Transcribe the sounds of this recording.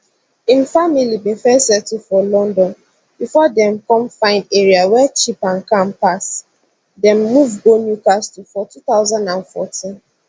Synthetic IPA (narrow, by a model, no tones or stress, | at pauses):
ĩnfamilibĩfɛsɛtifɔlɔ̃ndɔ̃n | bifɔdɛ̃mkɔ̃mfãɪ̃ndeɹiawɛt͡ʃipãnkãmpas | dɛ̃mːuvɡonjukastufɔtuθaʊzãndãnfɔtʰĩn